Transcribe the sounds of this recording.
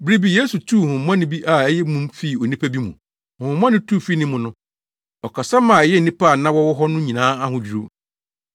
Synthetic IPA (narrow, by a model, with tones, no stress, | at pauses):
bɾi˦bi˨jeː˦su˨tʰu˦˨hʊ̃˨m˦ã˦nɪ̃˦bi˦ʔa˨ɛ˦jɛ˦mũ˦mfi˦˨o˨nĩ˦pʰæ˦bi˦mṵ̃˨ | hʊ̃˨˦m˦ã˦nɪ̃˦tʰu˦˨fi˦nɪ̃˦mʊ̃˨nʊ̃˦ | ɔ˨kʰa˨sa˦mã˨ɛ˨jɛ˦n̩˨nĩ˦pa˦˨nã˦wɔ˦wɔ˦ɦɔ˦nʊ̃˦ɲĩ˨nãː˦a˦hʊ̃˨d͡ʑi˨ɾo˦